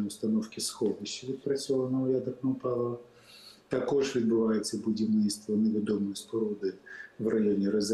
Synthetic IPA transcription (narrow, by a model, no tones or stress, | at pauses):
ʊst̪ɐnɔfkʲɪsxɔd̪ɪɕɐʋʲid̪̚pɾɐt͡sʲɔlˠɐnɐʊjʲad̪ɐknɐʊpɑlˠɔʋɐ | t̪ɐkɔʐʋʲid̪̚bʊʋajet͡sʲːɐbʊdʲiwnɪjst̪ʋɐneʋʲɪd̪ɔmɔjispɔɾɔd̪ɪʋrɐjɔnʲiɾɐz